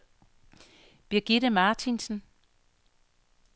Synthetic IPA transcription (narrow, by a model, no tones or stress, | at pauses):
b̥iɐɡ̥iɾəmɑːt͡sʰinsn̩